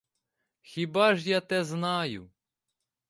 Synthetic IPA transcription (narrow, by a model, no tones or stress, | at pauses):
xʲibɑʒjat̪ɛznɑjʊ